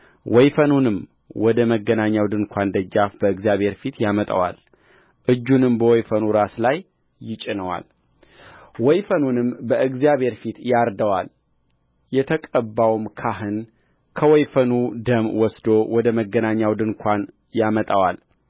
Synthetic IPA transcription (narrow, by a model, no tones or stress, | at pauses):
wɔjfənunɨm | wɔd̪əməɡːənaɲːawd̪ɨnkʷʰand̪əd͡ʒːafbəɨɡzijaβhe̞ɾfit̪jamət̪ʼa̰wa̰l | ʔɨd͡ʒːunɨmbəwɔjfənuɾaslajː | ɪt͡ʃʼɪnəwa̰l | wɔjfənunɨmbəɨɡzijabe̞ɾfit̪jaɾd̪əwal | jɛt̪ʰəkʼəbːawmkʰaɦɨn | kʰəwɔjfənud̪əmwɔsd̪owɔd̪əməɡːənaɲːawd̪ɨnkʷʰan | jamət̪ʼawal